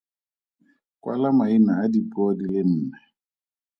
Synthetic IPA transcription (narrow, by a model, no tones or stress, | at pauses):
kwʔa̰lamainaːdipɔdilɪn̩ːnɛ